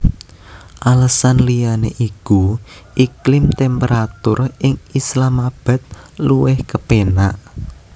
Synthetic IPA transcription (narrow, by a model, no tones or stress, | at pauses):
ʔaləsanlijaneʔiku | ʔiklɪmt̪ɛmpeɾʔat̪ʊrɪŋislamab̥ä̤t̪̚ | luwɪhkəpenaʔ